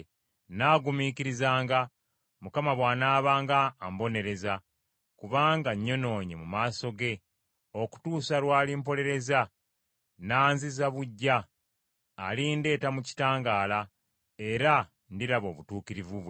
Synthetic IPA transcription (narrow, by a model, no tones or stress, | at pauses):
naːɡumiːciɾizaːŋɡa | mukamaβwaːnaːβaːŋɡaːmbo̞ne̞ɾe̞za | kuβaːŋɡaɲːo̞no̞ːɲimumaːso̞ɡe̞ | o̞ku̥tuːsalwaːlimpo̞le̞ɾe̞za | naːnzizaβuɟːaː | linde̞ːtamuci̥taːŋɡaːla | e̞ɾa | ndiɾaβo̞̰ːβutuːkiɾivuβwe